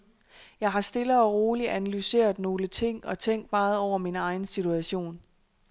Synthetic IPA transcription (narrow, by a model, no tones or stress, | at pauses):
jɑ̈ɪɦɑ̈sd̥e̝ləɒ̽ʁo̝ːliʔænælyse̝̰ːɐð̩ˠno̝ːlət͡sʰe̝ŋ̰ɒ̽t͡sʰeŋ̰ɡd̥mɑ̈ːð̞̩ˠɒʊ̰ɐminɑ̈ɪn̩sit͡sʰuæɕo̝̰ːn